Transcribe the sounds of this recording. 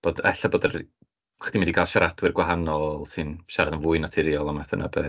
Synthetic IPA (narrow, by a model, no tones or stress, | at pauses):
b̥oːdɛ̰ɬaboːdər | χd̥imɪndikʰaːlˠʃaɾadwɨrɡwaɦanɔlˠsɨnʃaɾaðənvʊːɨnatʰɪɾjɔlˠamaθə̰nʔa̰bɛ